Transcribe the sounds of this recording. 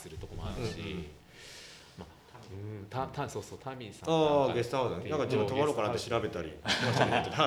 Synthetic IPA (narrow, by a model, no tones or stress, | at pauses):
sɨɾɯ̟t̪okomaɾɯɯ̟̃ɕi | ma | ɯ̃t̪at̪asoːsoːt̪ʰamʲisaaːɡesɨ̥t̪ahod̪anenãŋkad͡ʑibɯ̃t̪oβaɾokaɾat̪eɕiɾabe̞t̪aɾʲḭmasit̪et̪a